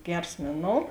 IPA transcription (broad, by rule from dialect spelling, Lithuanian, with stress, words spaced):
ˈɡʲɛrs ˈmʲeːˌnoːʊ